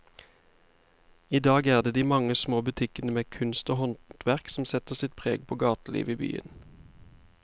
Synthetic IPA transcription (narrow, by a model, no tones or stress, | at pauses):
iːd̪ɑːɡæːʁd̪eːd̪iːmɑŋəsmoːbʉt̪ʰɪkənəmeːkʰʉnst̪oːhɔnt̪t̪ʰʋæʁksm̩sɛt̪əʁsɪt̪̚pʰʁeːɡpʰoːɡɑːt̪lḭːʋiːby̰ːə̰n